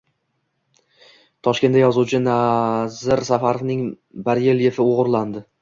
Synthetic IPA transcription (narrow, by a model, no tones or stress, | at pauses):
t̪ʰɒʃkʲe̞najɒzuwt͡ʃʰɪnazɪɾsafaɾovnɪŋ | baɾjelje̞fɪoʁɾland̪ɪ